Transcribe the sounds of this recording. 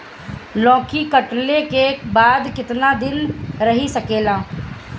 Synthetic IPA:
lɔ̃ːkikəʈlekebaːd̪kɪt̪nad̪ɪnɾəɦisəkeːlaː

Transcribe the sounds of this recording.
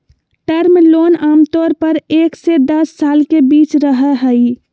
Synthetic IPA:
ʈəɾmloːnaːmt̪ɔːɾpəɾeːksed̪əsːaːlkebiːt͡ʃɾəɦɛɦəi

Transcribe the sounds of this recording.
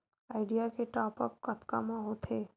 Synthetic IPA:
aːɪɖijakeʈaːpəp̚kɐt̪ka̰mãɦoːt̪ʰeː

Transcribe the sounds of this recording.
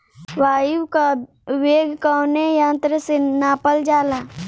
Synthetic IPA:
ʋaːjuka | ʋeːɡʱkaːnejãːnt̪ɾəsenaːpəld͡ʒaːlaː

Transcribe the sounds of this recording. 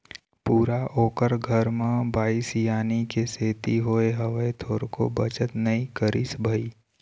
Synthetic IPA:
puːɾaʔoːkəɾɡʱəɾmãbaːisjaːnikeseːt̪iɦoːeɦəʋet̪ʰoːɾko̰bət͡ʃət̪nɐĩkəɾisbʱəi

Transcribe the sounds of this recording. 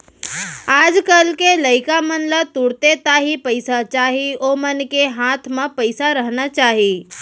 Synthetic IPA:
aːd͡ʒkəlkeləɪkamənlət̪ʊɽt̪et̪aːɦipəɪsat͡ʃaːɦioːmənkeɦaːt̪ʰmãpəɪsaɾəɦnat͡ʃaːɦi

